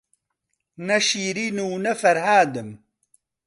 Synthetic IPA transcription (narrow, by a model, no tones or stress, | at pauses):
nɐʃiːɾiːnuːnɐfɐɾhaːd̪ɨm